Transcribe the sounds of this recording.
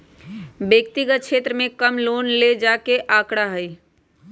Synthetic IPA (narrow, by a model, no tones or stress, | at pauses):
bjəkt̪ɪɡət̪̚kʃʰeːt̪ɾəmẽkəmloːnled͡ʒaːkeʔaːkɽaɦəi